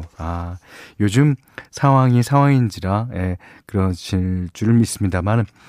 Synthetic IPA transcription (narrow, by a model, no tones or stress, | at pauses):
ajod͡ʑɯm | sʰaŋɦwaŋisʰaŋwaŋind͡ʑiɾaje̞ | kɯɾʌnɕiɭt͡ɕ͈uɾɯɭmis͈ɯmɲidaman